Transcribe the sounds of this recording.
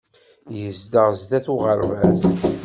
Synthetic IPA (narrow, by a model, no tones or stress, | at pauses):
jəzd̪əʁzd̪æθuʁəɾvæs